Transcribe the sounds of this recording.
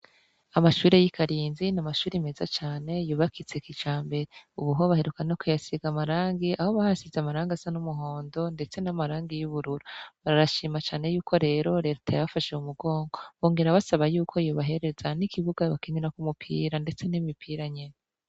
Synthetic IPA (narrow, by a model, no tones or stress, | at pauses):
amaʃuːɾe̞jikʰaɾiːnzinamaʃuːɾime̞zat͡ʃaːne̞juːβakʰit͡sekit͡ʃaːmbe̞ɾeuβuɦoβaɦe̞ɾukanokujasiɡamaɾaːŋɡiʔaho̞βahasizamaɾaːŋɡasanumuɦo̞ːndo̞nde̞t͡se̞namaɾaːŋɡijuβuɾuɾuβaɾaɾaʃiːmat͡ʃaːne̞juːkʰo̞ɾe̞ːɾo̞ɾe̞ɾtʰajaβafaʃeumuɡo̞ːŋɡo̞βoːŋɡe̞ɾaβasaβajuːkʰo̞joːβaɦe̞ɾe̞zanikiβuɡaβakiniɾakumupʰiːɾande̞t͡se̞nimipʰiːɾaɲe̞na